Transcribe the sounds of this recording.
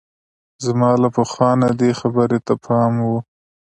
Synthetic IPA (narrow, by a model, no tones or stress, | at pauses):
zamɑlapəxwɑnad̪exabəɾet̪apʰɑmwu